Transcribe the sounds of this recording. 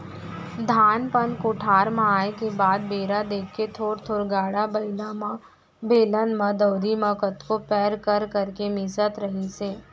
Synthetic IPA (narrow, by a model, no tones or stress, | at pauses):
d̪ʱaːnpənkʊʈʰaːɾmãaːekebaːd̪̚beːɾad̪eːkʰːet̪ʰoːɾt̪ʰoːɾɡaːɽabɐɪlama | beːlənmãd̪əːɾimɐ̃kət̪kopɛːɾkəɾkɐɾkemɪsət̪ɾɐɦiseː